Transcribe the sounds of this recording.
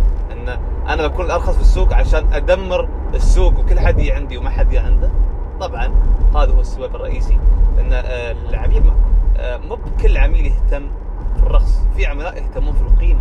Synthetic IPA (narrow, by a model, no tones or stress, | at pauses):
ʔɪnː | ʔa̰naawʔakuːnlʔɑɾˤxɑsˤfisːuːɡʕaʃaːnʔad̪amːɪɾ | ɪsːuːɡwkɪlːħad̪jaʕɪnd̪iwmaħad̪jaʕɪnd̪a | t̪ˤɑbʕɑnhaːðahʊwasːabaːbɪrˤːɑ̰ʔiːsilʔɪnːalʕamiːla̰ː | abkɪlːʕamiːljɪht̪amːfirˤːɑxsˤfiːʕamanaːʔɪlkamʊfluːqiːn